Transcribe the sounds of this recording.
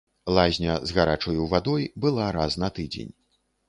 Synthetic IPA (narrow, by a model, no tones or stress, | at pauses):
lˠazʲnʲɐzɣaɾat͡ʂɔjuwvad̪ɔjbɨlˠaɾasnɐt̪ɨd͡zʲḛnʲ